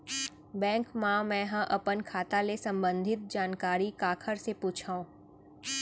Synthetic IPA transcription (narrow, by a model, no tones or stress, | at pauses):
bɛ̃ːŋkmãmɛ̃ːɦə̃ʔɐpənkʰaːt̪alesɐ̃mbə̃nd̪ʱɪt̪̚d͡ʒaːnkaːɾikaːkʰəɾsepuːt͡ʃʰaːũː